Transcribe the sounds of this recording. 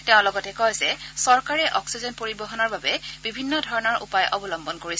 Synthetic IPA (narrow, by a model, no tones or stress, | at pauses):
tɛʊ̃lɔɡɔtɛkɔjzɛsɔɹkaɹɛʔɔksizɔnpoɹibɔɦɔnɔɹbabɛbibʱinːɔdʱɔɹɔnɔɹʔṵpajʔɔbɔlɔmbɔnkoɹis